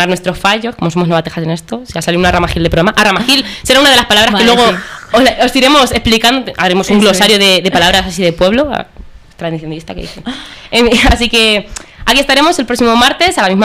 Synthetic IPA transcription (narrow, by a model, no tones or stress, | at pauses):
aɾnwest̪ɾo̞sfaʝo̞sko̞mo̞somo̞znoat̪e̞xase̞ne̞st̪o̞siasaliunaramaxild̪epɾamaʔaramaxilse̞ɾaunaðe̞laspalaβɾaskelweooosiɾe̞mo̞se̞hplikand̪ot̪a̰ɾemo̞suŋɡlo̞saɾjoðe̞ðepalaβɾasasiðepwe̞βlo̞a̰t̪ɾaðiθjond̪ist̪akeðḭθeefias̬ike̞akie̞st̪aɾe̞mo̞se̞lpɾo̞ksimo̞maɾt̪e̞salamizma